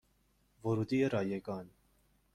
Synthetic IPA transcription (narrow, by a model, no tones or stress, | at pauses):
vɔɾut̪iəɾɑjɛkɑn